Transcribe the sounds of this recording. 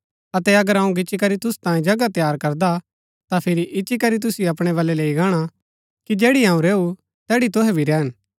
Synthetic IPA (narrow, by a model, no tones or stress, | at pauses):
ɐt̪ɛɐɡəɾɐ̃ũɡɪt͡ʃːikɐɾit̪ʊst̪ãːĩd͡ʒɐɡat̪jaːɾkɐɾd̪a | t̪apʰɪɾiʔɪt͡ʃːikɐɾit̪̬ʊsjɐpɽ̃ɛβɐlɛleːiɡaːɽ̃a | kid͡ʒeːɽiɦãːũɾeːu | t̪ɛːɽit̪ʊɦɛbʱiɾɛːɦən